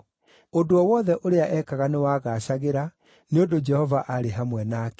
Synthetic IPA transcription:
odoɔwɔːðɛʔoɾeaʔɛkaɣanewaːɣaɕaɣeɾa | neondod͡ʒɛhɔvaʔaɾeɦamwɛnaːk

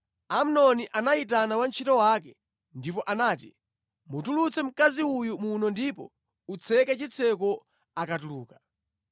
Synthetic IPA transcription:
am̩nɔniʔanaitanawant͡ʃʰitɔwakɛ | ndipɔʔanaːti | mutulut͡sɛm̩kaziujumunɔndipɔ̰ | ut͡sʰɛkɛt͡ʃit͡sʰɛkɔ | akatuluːkḁ

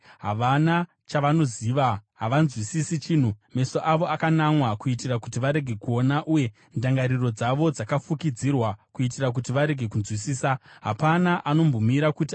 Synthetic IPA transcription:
ɦaʋana | t͡ʃaʋano̞ziːʋaɦaʋanzwisisit͡ʃiːn̤ume̞soʔaʋo̞akanamwakuitirakutiʋaɾe̞ɡʱe̞kuo̞naʔuje̞ | ndaŋɡaɾiro̞d͡zaʋo̞d͡zakafukid͡zirwakuit̬irak̬utiʋaɾe̞ɡʱe̞kunzwisiːsaɦa̰panaʔano̞mbomiɾakuti

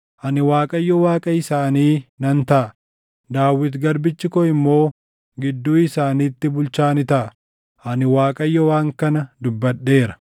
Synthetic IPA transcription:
ʔɐnɪwaːkʼɐjːɔwaːkʼɐɪsaːniːnɐnt̪ɐʔɐ | d̪aːwːɪt̪ɡɐɾbɪt͡ʃːɪkɔɪmːo̞ː | ɡɪd̪ːuːɪsaːniːt̪ːɪbʊlt͡ʃaːnɪt̪ɐʔɐ | ʔɐnɪwaːkʼɐjːɔwaːŋkɐnɐd̪ʊbːɐɗːe̞ːɾɐ̥

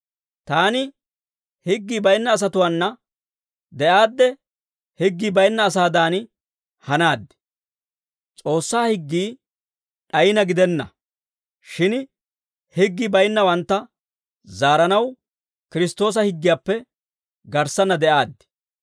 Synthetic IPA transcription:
t̪aːnɪ | hɪɡːiːbɐjnːɐːs̬ɐt̪ʊwaːnːɐ | d̪ɛʔaːd̪ːɛ | hɪɡːiːbɐjnːɐːs̬aːd̪aːn | hɐnaːd̪ːɪ̥ | t͡sʼo̞ːsːaːhɪɡːiː | ɗɐjɪnɐɡɪd̪ɛnːɐ | ʃɪn | hɪɡːibɐjnːɐwɐnt̪ːɐ | zaːɾɐnɐw | kɪɾɪst̪o̞ːs̬ɐhɪɡːɪjaːpːɛ | ɡɐɾsːɐnːɐd̪ɛʔaːd̪ːɪ̥

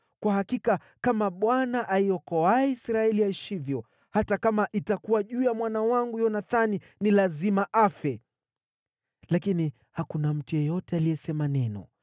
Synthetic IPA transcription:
kwahakika | kamaɓwanaʔaiɔkɔaɛisɾaɛliaiʃivjɔ | hatakamaʔitakuwaʄuːjamwanawaŋɡujɔnaθani | nilazimaʔafɛ | lakini | hakunam̩tujɔjɔtɛaliɛsɛmanɛnɔ̰

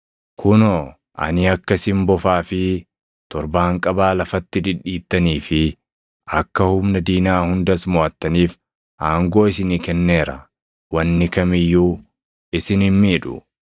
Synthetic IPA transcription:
kʰʊno | ʔɐ̰nɪɐkːɐsɪmbɔfaːfɪ | t̪ɔɾbaːŋkʼɐbaːlɐfɐt̪ːɪd̪ɪᶑːiːt̪ːɐniːfɪ | ɐkːɐhʊmnɐd̪iːnaːhʊnd̪ɐsmɔːʔɐt̪ːɐniːf | ʔaːŋɡo̞ːɪs̬ɪnikɛnːe̞ːɾɐ | wɐnːɪkɐmɪjːuː | ɪsɪnɪnmiːᶑʊ̰

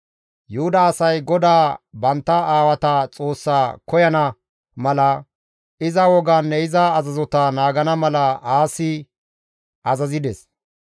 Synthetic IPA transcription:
jʊhʊd̪ɐːsɐjɡɔd̪aːbɐnt̪ːɐaːwɐt̪ɐt͡sʼo̞ːsːaːkɔjɐnɐ | mɐlɐ | ɪzɐwɔɡanːɛɪzɐːzɐzɔt̪ɐnaːɡɐnɐmɐlɐaːsɪ | ɐzɐzɪd̪ɛs

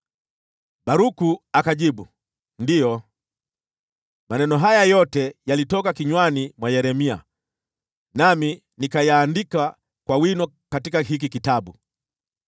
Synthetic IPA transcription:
baɾukuakaʄiɓu | ndijɔ | manɛnɔɦajajɔtɛjalitɔkakiɲwanimwajɛɾɛmia̰ | nami | nikajaːndika | kwawinɔ | katikaɦik̬ikitaɓu

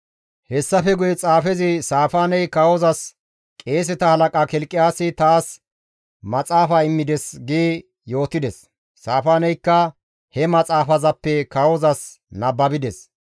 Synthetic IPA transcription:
hɛsːɐfɛɡʊjɛt͡sʼaːfɛzɪsaːfaːnɛjkɐwɔzɐs | kʼe̞ːs̬ɛt̪ɐhɐlɐkʼaːkɛlkʼːɪjaːsːɪt̪aːs | mɐt͡sʼaːfɐɪmːɪd̪ɛsɡiː | jo̞ːt̪ːɪd̪ɛsː | aːfaːnɛjkːɐ | hɛmɐt͡sʼaːfɐzɐpːɛkɐwɔzɐs | nɐbːɐbɪd̪ɛs

